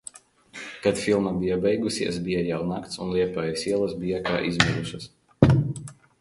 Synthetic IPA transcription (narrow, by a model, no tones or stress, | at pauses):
kat̪filˠmabijabʲɛjɡusʲiɛ̰s̬bijajawnakt̪sunlˠiɛpajisiɛlˠɐsbijaka̰ːʔizmɛd̪uʃɐs